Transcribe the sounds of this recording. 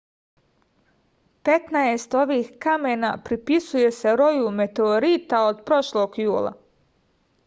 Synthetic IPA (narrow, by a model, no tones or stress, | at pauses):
pe̞t̪naest̪o̞ʋiːhkame̞napɾipisuje̞se̞ɾo̞jume̞t̪eoɾit̪aod̪pɾo̞ʃlo̞ːɡjuːlˠa̰